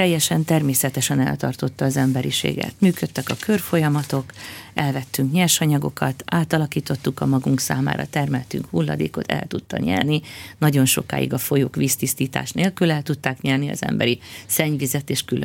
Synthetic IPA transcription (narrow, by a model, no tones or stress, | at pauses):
t̪ɛjːɛʃɛnt̪ɛrmeːsɛt̪ɛʃɛnɛ̰lt̪ɒrt̪o̞t̪ːɒːzɛmbɛɾiʃḛːɡɛ̰t̪myːkøt̪ːɛkɒkørfo̞jɒmɒt̪o̞kɛlvɛt̪ːyŋkɲɛrʃɒɲɒɡo̞̰kɒt̪aːt̪ɒlɒkiːt̪o̞t̪ːukɒmɒɡuŋksa̰ːma̰ːɾɒ̰t̪ɛrmɛlt̪y̰ŋkhulːɒd̪eːko̞t̪ɛ̰lt̪ut̪ːɒ̰ɲɛ̰rninɒɟo̞nʃo̞̰ka̰ːjḭɡɒfo̞jo̰ːkʋiːst̪ist̪iːt̪a̰ːʃnʔeːlkylɛlt̪ut̪ːaːkɲɛrniɒ̰zɛ̰mbɛɾisɛɲvizɛt̪eːʃkylø